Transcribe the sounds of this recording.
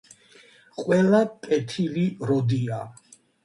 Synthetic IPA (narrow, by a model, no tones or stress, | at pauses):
qʼwɛlapʼɛt̪ʰiliɾɔd̪ia